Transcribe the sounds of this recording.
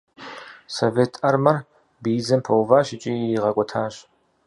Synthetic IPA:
soveːtʰɐrmɐr | bid͡zɐmpʰɐwvaːɕɪt͡ʃʼiiʁɐkʷʼɔtʰaːɕ

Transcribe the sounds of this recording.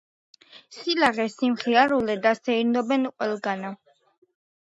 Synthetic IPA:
silaʁɛsimχiaɾulɛd̪asɛiɾnɔbɛnqʼwɛlˠɡana

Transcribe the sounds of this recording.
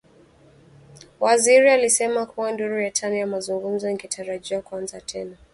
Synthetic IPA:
waziɾialisɛmakuwanduɾujatʰanijamazuŋɡum̩zɔiɡɛtʰaɾaʄiwakuanzatʰɛna

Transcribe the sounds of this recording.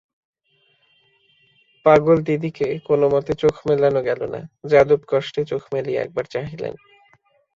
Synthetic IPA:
paɡold̪id̪ikekonomɔt̪et͡ɕokʰmelanoɡɛlona̰d͡ʑad̪obkɔʃʈet͡ɕokʰmeliɛ̰k̚baɾt͡ɕaɦilḛn

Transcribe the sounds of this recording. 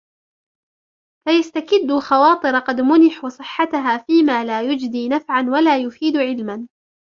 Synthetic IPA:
fajast̪akɪd̪ːʊxɑwɑːt̪ˤɨɾɑqɑd̪mʊnɪħuːsˤɨħːat̪aɦaːfiːmaːlaːjʊd͡ʒd̪iːnafʕanwalaːjʊfiːd̪ʕɪlman

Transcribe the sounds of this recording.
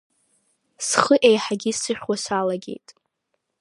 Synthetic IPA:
sχəʔejħaɡʲisɨχʲᶣwasalaɡʲe̞̰jtʼ

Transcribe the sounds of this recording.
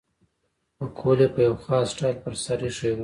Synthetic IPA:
pəkʰolepəjawxɑsʈɑjlpəɾsaɾiʂew

